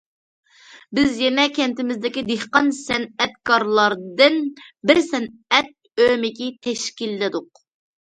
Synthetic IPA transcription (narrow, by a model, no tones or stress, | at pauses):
bɪzjɛnɛkʲɛnt̪ɪmɪzd̪ɪkʲid̪ehqɑnsɛnɛt̪kʰɑɾlˠɑɾd̪ɨnbɪɾsɛnɛt̪̚ømɪkʲit̪ʰɛʃkʲilːɪd̪ʊq̚